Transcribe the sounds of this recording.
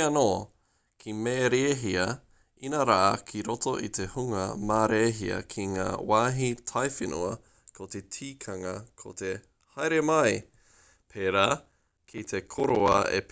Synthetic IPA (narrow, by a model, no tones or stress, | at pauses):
ɐnoː | kʰimeːɾeːɦiɐ | inɐɾa̰ʔɐkʰiɾotoʔit̪ehuŋɐ̰maːɾeːɦiɐ̰kʰiŋa̰ːwaːɦitʰajfinʔṵɐ | kʰot̪e̞tʰiːkʰɐŋɐkʰo̰t̪e | hajɾemɐj | pʰeːɾaː | kʰit̪ʰekʰoɾoɐ̰ḛp